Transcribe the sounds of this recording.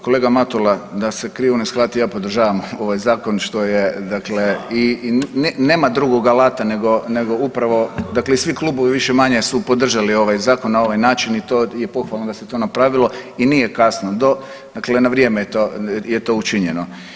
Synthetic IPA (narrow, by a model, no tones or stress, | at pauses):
ko̞leɡamat̪ulad̪ase̞kɾiːʋonojsklˠaːt̪ijaːpod̪r̩ʒaːʋamo̞ʋajzaːko̞nʃt̪o̞jed̪akle̞inne̞ːmad̪ɾuɡoɡalˠaːt̪ane̞ɡo̞ne̞ɡo̞upɾaʋo̞d̪akleisʋiklˠuːboʋiʋiʃemaɲe̞supo̞d̪r̩ʒalio̞ʋajzaːkonːao̞ʋajnaːt͡ʃinit̪oːje̞po̞xʋalˠnod̪aset̪o̞ːnapɾaʋilˠo̞inije̞kasnod̪o̞ | d̪̥akle̞naʋɾje̞mejet̪ojet̪o̞ut͡ʃiɲeno